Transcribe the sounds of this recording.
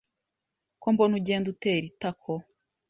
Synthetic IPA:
kombonuɟeːnduteɾitakʰo

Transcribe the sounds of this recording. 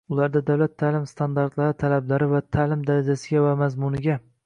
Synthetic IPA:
ʊlaɾd̪ad̪awlat̪ʰːalɪmst̪ʰand̪aɾt̪laɾɪt̪ʰalablaɾɪvat̪ʰalɪmd̪aɾad͡ʒasɪɡʲavamazmʊnɪɡʲa

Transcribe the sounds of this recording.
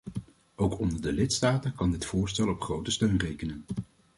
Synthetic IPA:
owkɔndəɹdəlɪtstaːtənkɑndɪtfʊːɹstɛlˠɔpχrowtəstøɥnrejkənən

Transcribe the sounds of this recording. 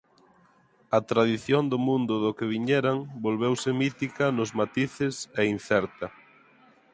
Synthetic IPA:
ɐt̪ɾaðiθjond̪ʊmũnd̪ʊðʊkɪβ̞iɲɛɾaŋbolβewsɪmit̪ikɐnʊzmat̪iθɪsɛin̟θɛɾt̪ɐ

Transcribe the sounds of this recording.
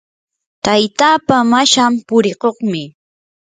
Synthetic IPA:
t̪ajt̪aːpamaʃampʊɾɪkoχmɪ

